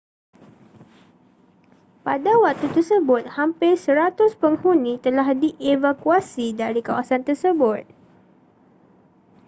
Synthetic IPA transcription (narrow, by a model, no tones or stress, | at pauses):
padawak̚t̪ut̪ərsəbʊt̪̚hampɪsəɾat̪ʊspəŋhunĩt̪əlahdiʔevakuasidaɾikawasant̪ərsəbʊt̪̚